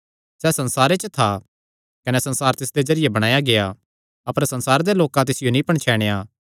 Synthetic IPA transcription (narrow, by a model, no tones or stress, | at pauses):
sɛːsɐ̃nsaːɾet͡ʃət̪ʰa | kɐnɛsɐ̃nsaːɾt̪ɪsd̪ezɐɾɪjebɐɽ̃aːjaɡeja | ɐpəɾsɐ̃nsaːɾed̪eloːkãt̪̬ɪsɪjonĩpɐɳ̃t͡ʃʰɛːɽ̃eja